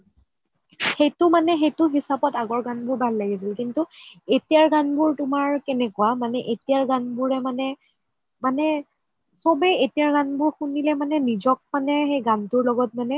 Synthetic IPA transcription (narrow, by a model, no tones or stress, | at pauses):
xejtʊmanɛxejtʊɦisapɔtaɡɔɹɡanbʊɹbʱalːaɡisilkintʊetijaɹɡanbʊɹtʊmaɹkɛnɛkuwamanɛʔetijaɹɡanbʊɹɛmanɛ | manɛ | sobɛetijaɹɡanbʊɹxunilɛmanɛnizɔk̚manɛxejɡantʊɹlɔɡɔt̚manɛ